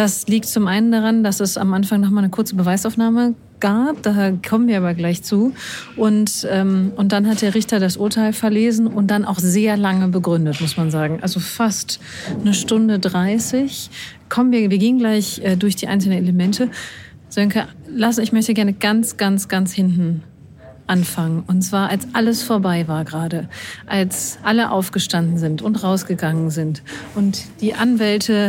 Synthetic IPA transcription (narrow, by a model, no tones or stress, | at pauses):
d̥asliːk̚tt͡sʊmʔaɪnəndaʁ̞andasɛsa̰mʔanfaŋnɔχmaːnəkʰʊɐt͡səbəvaɪsaʊfnaːmə | ɡ̥aːp̚d̥aːkʰɔmənviːɐaːbɐɡlaɪçt͡suːʔʊntʔɛːmʔʊnt̚d̥anɦat̚d̥eːɐʁ̞ɪçtɐdasʔʊɐtʰaɪlfɛɐleːzn̩ʊnt̚d̥anʔa̰ʊxz̥eːɐlaŋəbəɡʁʏndətmʊsmanzaːɡŋ̩ʔa̰lzofast | nəʃtʊndədʁaɪsɪç | kʰɔmənviːɐviːɐɡeːənɡlaɪçʔɛːdʊɐçd̥iːʔa̰ɪnsl̩nəneləmɛntʰə | z̥œŋkəlasn̩ɪçmœçtəɡɛɐnəɡansɡ̥ansɡ̥anshɪntn̩ | ʔanfaŋənʔʊntt͡sv̥aːɐʔalsʔaləsfoːɐbaɪvaːɐɡʁaːdəʔalsʔaləʔa̰ʊfɡ̥əʃtandn̩zɪntʊntʁaʊsɡ̥əɡaŋənzɪntʔʊntd̥iːʔanvɛltʰə